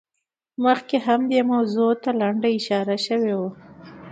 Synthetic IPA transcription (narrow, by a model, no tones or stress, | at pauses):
məxkeɦamd̪emawzot̪alaɳɖaɪʃɑɾaʃəwewa